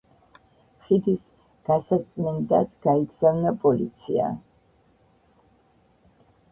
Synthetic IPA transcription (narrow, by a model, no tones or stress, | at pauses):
χid̪is | ɡ̥asasʼnɛnd̪at̪ʰɡ̥aiɡz̥avnapʼɔlḭt̪sʰia̰